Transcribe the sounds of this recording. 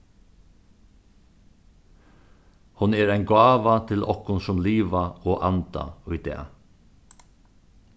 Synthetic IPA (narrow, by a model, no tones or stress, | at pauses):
hʊneːɾæɪnɡɑːʋɑt̪ʰɪlʔɔkʊnsʊmliːʋɑoːʔɑnd̪̥ɑ̰œʏd̪ḛːɑ̰